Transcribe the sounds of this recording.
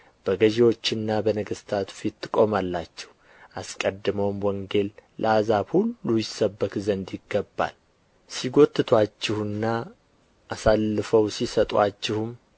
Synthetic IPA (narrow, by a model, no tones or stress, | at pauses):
b̥əɡəʒewo̞t͡ʃːɪnːabənəɡəst̪ʰat̪fit̪ːɨkʼo̞malːat͡ʃːɛ̥h | ʔaskʼəd̪ːɨməwmwɔŋɡe̞llʔəazabhulːujɪsəbːəkzənd̪jɪɡːəbːa̰l | siɡo̞t̪ːɨt̪ʰwat͡ʃːɪhɨnːa | ʔasalːɨfəwsisət̪ʼwat͡ʃːɪhum